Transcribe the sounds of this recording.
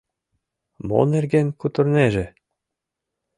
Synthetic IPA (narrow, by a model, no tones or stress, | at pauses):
mo̰nĕrɡenʲkut̪ɤ̆rnʲeʒɘ̆